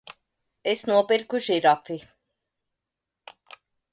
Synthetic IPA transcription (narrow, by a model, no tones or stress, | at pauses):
esnuɔpiɾkuʒiɾafi